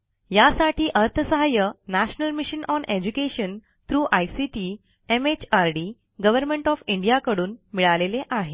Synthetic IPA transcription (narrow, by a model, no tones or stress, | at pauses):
jasaʈiːʔəɾt̪ʰəsəɦajənæɕnəlmiɕənʔɔnʔed͡ʑukeɕən | t̪ɾuːʔajsiʈiː | emet͡ɕaɾɖiː | ɡəʋəɾmeɳʈɔfiɳɖijakəɽuːnmiɭaleleʔaɦe